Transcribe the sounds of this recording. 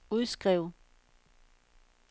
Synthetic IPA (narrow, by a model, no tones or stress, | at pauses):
uðˠsɡ̥ʁɛʊ̰